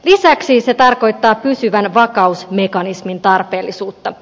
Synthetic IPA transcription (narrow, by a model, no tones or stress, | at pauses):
lisæksise̞t̪ɑrko̞jt̪ːɑːpysyʋænʋɑkɑusme̞kɑnismint̪ɑrpe̞ːlːisuːt̪ːɑ